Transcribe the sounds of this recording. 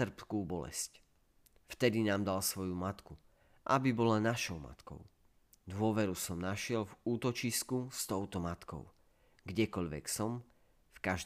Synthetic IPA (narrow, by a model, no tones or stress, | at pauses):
r̩pkuːbɔlɛ̰sc | ft̪ɛd̪inaːmd̪alsʋɔjumat̪ku | ʔabibɔlanaʃɔʊma̰t̪kɔ̰ʊ | d̪ʋʊɔʋɛɾusɔmnaʃɪɛlvuːt̪ɔt͡ʃiskust̪ɔʊt̪ɔmat̪kɔ̰ʊ | ɡɟɛkɔʎʋɛ̰ksɔm | fkaʒ